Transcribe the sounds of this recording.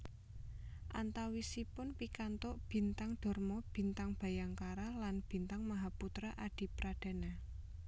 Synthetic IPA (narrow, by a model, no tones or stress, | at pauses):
ʔa̰nt̪awisipʊnpikant̪ʊʔb̥i̤nt̪aŋɖ̥ɔ̤rmɔb̥i̤nt̪aŋb̥a̤jaŋkaɾalanb̥i̤nt̪aŋmaɦaput̪ɾaʔaɖ̥i̤pɾaɖ̥a̤na